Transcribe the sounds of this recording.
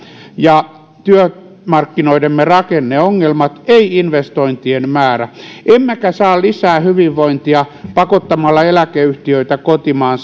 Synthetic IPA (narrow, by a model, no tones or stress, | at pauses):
jɑ | t̪yø | mɑrkːinoidemːerɑkenːeoŋːelmɑt̪eiinʋest̪oint̪ienmæːɾæʔemmækæsɑːllisæːhyʋiʋːoint̪iɑpɑkot̪ːɑmɑlːɑelækeyht̪iøit̪ækot̪imɑːns